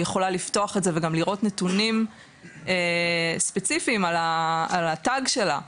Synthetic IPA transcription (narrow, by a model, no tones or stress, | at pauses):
jeχo̞lalifto̞aχetze̞veɡamliʁo̞tnetunim | espe̞t͡sifiːmalaalataɡʃe̞la̰